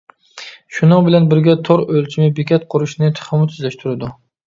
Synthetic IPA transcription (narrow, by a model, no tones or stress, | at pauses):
ʃʊnɨŋbɪlanbɪɾɡʲat̪ʰoɾølt͡ʃʰɪmɪbekʲat̪̚qʰʊɾɪʃnɪt̪ʰχɪmʊt̪ʰyzlaʃt̪ʰʊɾɪd̪ʊ